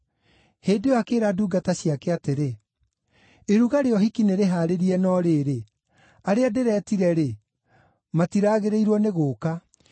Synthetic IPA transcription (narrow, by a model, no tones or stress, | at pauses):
heːdewakeːɾaduːɡataɕiakɛateɾe | eɾuɣaɾeɔɦikineɾeɦaɾeɾiɛnɔːɾeːɾe | aɾeadeɾɛːtiɾɛɾe | matiɾaːɣeɾeiɾwɔneɣoːka